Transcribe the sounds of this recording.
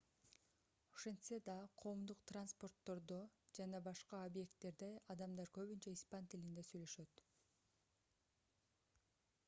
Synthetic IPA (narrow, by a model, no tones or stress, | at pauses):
o̥ʃend̪sed̪ɑqʰo̞ːmd̪uqt̪ranspo̞rt̪ːo̞ɾd̪od͡ʒɑnɑbɑʃqɑobje̞kt̪ːe̞ɾd̪eɑd̪ɑmd̪ɑɾkø̞βynt͡ʃeispant̪ilind̪esyjlø̞ʃø̞t̪